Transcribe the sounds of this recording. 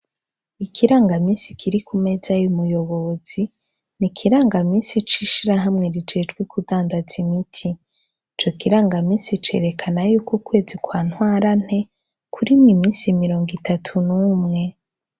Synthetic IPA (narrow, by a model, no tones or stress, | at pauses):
ikʰiɾaːŋɡamiːnsikʰiɾikʰume̞zajumujo̞βoz̥i | nikʰiɾaːŋɡamiːnsit͡ʃiʃiɾaɦamŋe̞ɾid͡ʒe̞d͡ʒɡwekudaːndazimitʰi | t͡ʃo̞kiɾaːŋɡamiːnsit͡ʃe̞̰ːɾe̞kʰanajuːkuːkwe̞ːzikwaːn̥waːɾan̥he̞ | kʰuɾimwimiːnsimiɾo̞ːŋɡitʰatʰunumŋe̞